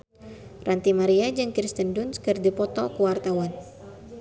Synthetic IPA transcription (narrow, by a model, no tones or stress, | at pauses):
rant̪imaɾiad͡ʒɨŋkɾist̪əndʊnskərdipɔt̪ɔkuwart̪awan